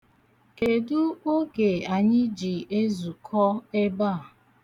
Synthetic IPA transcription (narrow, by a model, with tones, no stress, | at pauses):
ke˨du˦o˦ɡe˨a˨ɲɪ˦d͡ʒi˨e˦zu˨kʰɔ˦e˦ba˦˨